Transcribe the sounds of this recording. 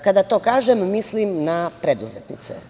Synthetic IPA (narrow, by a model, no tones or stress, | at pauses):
kad̪at̪o̞ːkaːʒemːislimnapɾed̪uzet̪nḭt̪sḛ